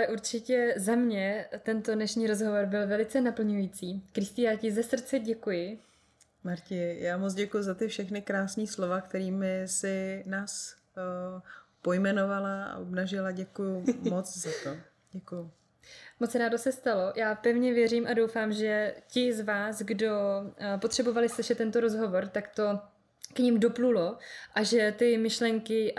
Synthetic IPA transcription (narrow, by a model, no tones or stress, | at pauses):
alɛʔuɾt͡ʃɪcɛzamɲɛt̪ɛnt̪odnɛʃɲiːɾo̞zɦo̞vo̞ɾbɪlvɛlɪt͡sɛnapl̩ɲujit͡siːkɾɪst̪ɪjaːcɪzɛsr̩t͡sɛɟɛkujɪ | maɾcɪjaːmot͡sɟɛkujuzat̪ɪfʃɛxnɪkɾaːsniːslo̞vakt̪ɛɾiːmɪsɪnaːs | pojmɛno̞valaa̰ʔobnaʒɪlaɟɛkujʊmot͡szat̪o | ɟ̥ɛkujʊ | mott͡sɾaːdosɛst̪alo̞jʔaːpɛvɲɛvjɛriːmʔado̞wfaːmʒɛcɪzvaːsɡdo̞po̞t̪r̝̥ɛbo̞valɪslɪʃɛt̪ːɛnt̪oɾo̞zɦo̞vo̞ɾt̪akt̪o̞ | kɲimdo̞plulo̞ʔaʒɛt̪ɪmɪʃlɛŋkɪ